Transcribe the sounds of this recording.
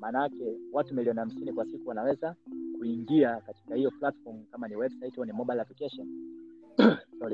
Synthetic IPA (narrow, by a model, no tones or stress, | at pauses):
maːnakɛwatumiliɔniham̩sinikwasikuwanawɛzakuiŋɡiakati̥kahijɔplatfɔɾm̩kamaniwɛbsaitɔnimɔɓalavikɛʃa | sɔli